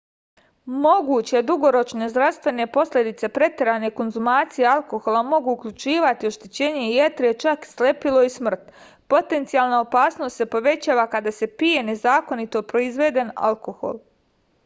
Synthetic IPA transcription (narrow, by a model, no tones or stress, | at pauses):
mo̞ɡuːt͡ɕe̞d̪uɡo̞ɾo̞t͡ʃne̞zd̪ɾaʋst̪ʋe̞ne̞po̞slʲe̞d̪it̪se̞pɾe̞t̪eɾane̞ko̞nzumaːt̪sije̞alˠko̞xolˠamo̞ɡuːkʎʲut͡ʃiːʋat̪ioʃt̪et͡ɕe̞ːɲe̞je̞t̪ɾeet͡ʃakslepilo̞ismr̩t̪ | po̞t̪e̞nt̪sijaːlˠnaopaːsno̞st̪se̞po̞ʋe̞t͡ɕaːʋakad̪ase̞pije̞ne̞zaːko̞nit̪o̞pɾo̞izʋe̞ːd̪e̞na̰lko̞xo̞̰lˠ